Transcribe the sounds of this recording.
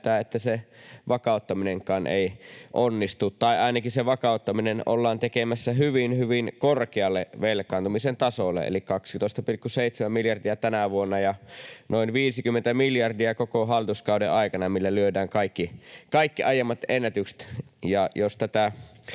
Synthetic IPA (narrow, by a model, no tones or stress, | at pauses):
t̪æːet̪ːæseʋɑkɑˑut̪ːɑmineŋkɑnʔḛiʔonːist̪ut̪t̪ɑiɑˑinɑkiseʋɑkɑˑut̪ːɑminenʔo̰lːɑːnt̪ekemæsːæɦyʋinhyʋinkorkeɑlːeʋelkˑɑːnt̪umisent̪ɑsolːḛḛlikkɑksit̪oˑist̪ɑpilkːuseit̪semæmiljɑrdiæt̪ænæʋuonːɑjɑnoinʋiːsikymːent̪æmiljɑrdiɑkokoɦɑlːit̪uskɑudḛʔɑikɑnɑmilːælyødæːŋkɑikːikɑikːiʔɑjemːɑt̪enːæt̪ykse̥t̪jɑjost̪æt̪æ